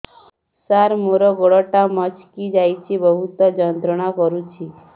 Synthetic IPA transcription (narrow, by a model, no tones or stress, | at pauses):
saɾmoɾɔɡɔɽɔʈamət͡ʃʰkid͡ʒajt͡ʃʰibəɦut̪ɔd͡ʒɔnd̪ɾəɳ̃akɔɾũt͡ʃʰi